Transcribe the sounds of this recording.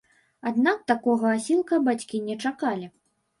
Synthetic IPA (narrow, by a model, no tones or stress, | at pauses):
ad̪nak̚t̪akɔɣɐasʲilˠkɐbat͡sʲkʲinʲɛt͡ʂakalʲi